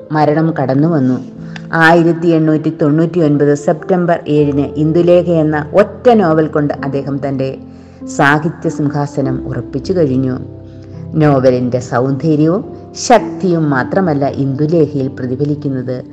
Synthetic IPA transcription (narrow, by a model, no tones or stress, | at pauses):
mɐɾɐɳɐmkɐɽɐnːuʋɐnːu | aːjiɾɐt̪ːie̞ɳːuːtːit̪o̞ɳːuːtːio̞nbɐðɨse̞ptɐmbɐre̞ːɻinɨʔind̪ule̞ːkʰɐje̞nːɐo̞tːɐno̞ːbɐlko̞ɳɖɨʔɐd̪ːe̞ːɦɐmt̪ɐnde̞ | saːɡʱit̪jɐsumkʰaːsɐnɐmṵrɐpːit͡ɕːukɐɻiɲːu | no̞ːbɐlinde̞sɐwnd̪ʱeːɾjɐʋum | ɕɐk̚t̪ijumːaːt̪rɐmɐlːɐʔind̪ule̞ːkʰɐjilprɐðibʱɐlikʲːunːɐðɨ